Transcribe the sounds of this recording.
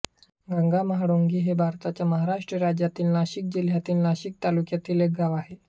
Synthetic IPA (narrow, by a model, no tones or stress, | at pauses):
ŋɡaŋɡamaɦɽoŋɡiɦebaɾt̪at͡ʃamaɦɾaʃʈəɾad͡ʒat̪inlaɕik̚d͡ʒəliɦat̪inlaɕik̚t̪alukiat̪ileɡawaɦe